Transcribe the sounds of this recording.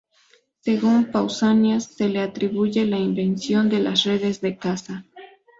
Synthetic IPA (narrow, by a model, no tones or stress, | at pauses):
se̞ɣumpawsanjasːe̞le̞at̪ɾiβuʝe̞laimbe̞nsjo̞nd̪e̞la̰sre̞ðe̞zðe̞kasa